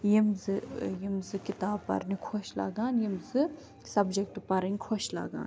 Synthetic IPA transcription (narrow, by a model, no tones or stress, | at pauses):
jimzɨjimzɨkit̪aːbpɐ̰ɾnikʰoʃla̰ːɡaːnjimzɨ | sɐbd͡ʒek̚ʈpɐɾɐnʲkʰoʃla̰ːɡa̰ːn